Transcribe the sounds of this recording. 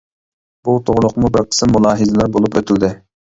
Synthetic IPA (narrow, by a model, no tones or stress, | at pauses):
b̥ut̪ʰoʁlˠʊqmubɪɾqʰə̥smːulˠɑːɦɨzɪlˠɑɾbolˠupøt̪ʰylʲd̪ɪ